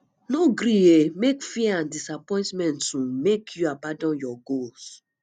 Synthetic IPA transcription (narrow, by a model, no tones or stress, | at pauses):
noɡɾiemekfiãndisapɔ̃ɪ̃ntmɛ̃ntũmekʰjuabãdɔ̃njɔɡos